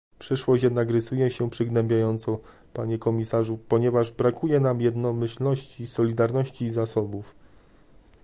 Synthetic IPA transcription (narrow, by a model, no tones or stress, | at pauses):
pʂɘʂwɔɕt͡ɕjɛd̪nakɾɘsujɛɕɛpʂɘɡnɛmbʲjajɔnt̪sɔ | paɲɛkɔmʲisaʐupɔɲɛvaʐbɾakujɛnamjɛd̪nɔmɘɕlnɔɕt͡ɕisɔlʲid̪aɾnɔɕt͡ɕiːzasɔbuf